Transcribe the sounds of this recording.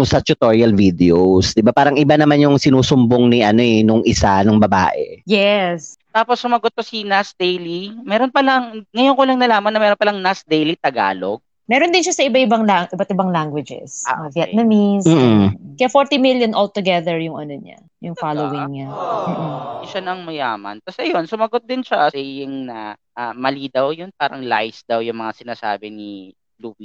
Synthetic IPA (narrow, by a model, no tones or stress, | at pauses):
ŋsɐt͡ʃʊt̪oɹiɐlvid̪ɛowsd̪ɪbapaːɾɐŋʔɪbanɐmanjʊŋsɪnuːsʊmboŋniʔɐno̞ɛnʊŋʔɪsanʊŋbɐba̰ːʔɛ̰jɛst̪aːposːʊmɐɡot̪̚ːosinasd̪ejlimɛːɾonpɐlɐŋŋɐjonkolɐŋnɐlaːmɐnːɐmɛːɾonpɐlaŋnasd̪ejlit̪ɐɡa̰ːlo̰ɡ̚ | mɛːɾond̪ɪnʃasɐʔɪbaʔɪbaŋlaŋʔɪbɐt̪ʔɪbaŋlaŋɡwɪd͡ʒɛ̰savjɛnɐmiskɐjafoɹt̪imiljonʔolt̪ʊɡɛðɛɹjʊŋʔɐ̰noɲa̰ | jʊŋfalowɪŋɲam̩ːʔm̩ɪʃanɐŋmɐjaːmɐ̰nt̪ɐsɐjonsʊmɐɡot̪̚d̪ɪnʃasɛjɪŋnɐʔamɐlid̪awjonp̚aːɾɐŋla̰jsd̪awjʊŋmɐŋasɪnaːsa̰ːbɛni | luːbi